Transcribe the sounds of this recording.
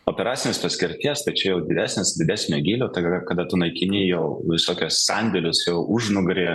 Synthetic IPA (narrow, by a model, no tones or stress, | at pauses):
oːpʲɛɾɑːt͡s̪ʲɪnʲeːspɐsʲkʲɪɾʲt̪ʲiɛst̪ɐɪt͡ʃʲɛjɛʊd̪ʲɪd̪ʲæːsʲnʲɪsdʲɪdʲæːsʲnʲoɡʲiːlʲoːt̪ɐɡɐkɐd̪ɐt̪ʊnɐɪkʲɪnʲɪjɛʊʋʲɪsoːkʲossɑnʲd̪ʲɛlʲʊsjɛʊʔʊʒnʊɡɾʲeː